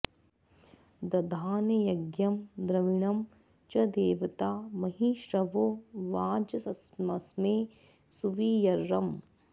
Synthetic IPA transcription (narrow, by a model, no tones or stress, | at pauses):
d̪ɐd̪ʱaːnɐjɐɡjɐmd̪ɾɐʋiɳɐm | t͡ʃɐd̪eːʋɐt̪aːmɐɦiːʃɾɐʋoːʋaːd͡ʒɐsɐsmɐsmeː | suʋijɐɾːɐm